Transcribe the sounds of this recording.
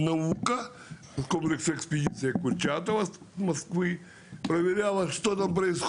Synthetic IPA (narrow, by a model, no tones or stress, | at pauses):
nɐukɐ | skomplʲɪksɐɛkspʲɪdʲit̪sɨjɐkʊrʲt͡ʃat̪ɐʋɐs | mɐskʋɨ | pɾɐʋʲɪɾʲalˠɐʂt̪ot̪ampɾɐɪsx